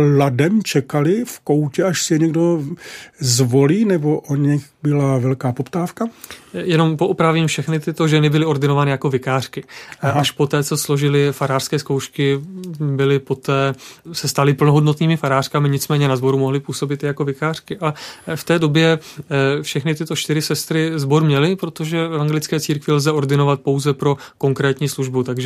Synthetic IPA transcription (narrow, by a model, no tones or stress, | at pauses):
ladɛmt͡ʃɛkalɪfkowcɛaʃsɪjɛɲɛɡdo | zvoliːnɛboʔoɲɛxbɪlavɛlkaːpopt̪aːfkajɛno̞mpo̞ʔupɾaviːmfʃɛxnɪt̪ɪt̪o̞ʒɛnɪbɪlɪʔo̞rdɪnovaːnɪjako̞vɪkaːr̥kɪaʃpo̞t̪ɛːt͡so̞slo̞ʒɪlɪfaɾaːr̥skɛːskowʃkɪbɪlɪpo̞t̪ɛːsɛst̪alɪpl̩noɦo̞dnot̪niːmɪfaɾaːr̥kamɪɲɪt͡smɛːɲɛnazbo̞ɾumo̞ɦlɪpuːso̞bɪt̪jɛjako̞vɪkaːr̥kɪʔaft̪ɛːdo̞bjɛ | fʃɛxnɪt̪ɪt̪o̞t͡ʃt̪ɪɾɪsɛst̪ɾɪzbo̞ɾmɲɛlɪpɾo̞t̪o̞ʒɛvɛvaŋɡɛlɪt͡skɛːt͡siːɾkvɪlzɛʔo̞ɾdɪno̞vat̪̚po̞wzɛpɾo̞ | ko̞ŋkɾɛːt̪ɲiːsluʒbut̪aɡʒɛ